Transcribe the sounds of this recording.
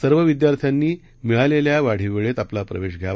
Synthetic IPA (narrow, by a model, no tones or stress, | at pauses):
əɾʋəʋid̪jaɾt̪ʰjanːiː | miɭaleljaʋaɽ̤iʋeɭet̪aplapɾəʋeɕɡʱjaʋ